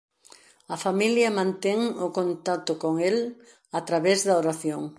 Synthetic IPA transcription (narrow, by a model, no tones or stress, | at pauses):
ɐfamiljɐmãnt̪ɛŋʊkont̪at̪ʊkoŋel | at̪ɾaβɛzðɐoɾaθjoŋ